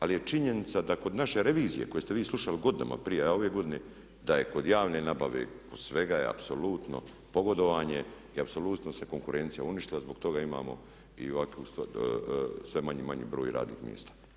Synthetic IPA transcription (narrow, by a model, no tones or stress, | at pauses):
alije̞t͡ʃiɲe̞nit̪sad̪ako̞d̪naʃe̞ɾe̞ʋiːzije̞ko̞je̞st̪eʋiːsluʃaliɡo̞d̪ina̰mʔa̰pɾijeoʋe̞ɡo̞d̪ine | d̪aje̞ko̞d̪jaːʋne̞nabaʋḛkosʋe̞ɡajḛa̰pso̞luːt̪no̞̰ | po̞ɡo̞d̪o̞ʋaːɲe̞ | iapso̞luːt̪no̞se̞ko̞ŋkuɾe̞nt̪sijauniʃt̪ilazboɡt̪o̞ɡaima̰ːmo̞̰ | ḭʋakust̪ː | sʋe̞maɲimaɲḭːbɾoːjɾa̰ːd̪nḭːxmʲjḛst̪ḁ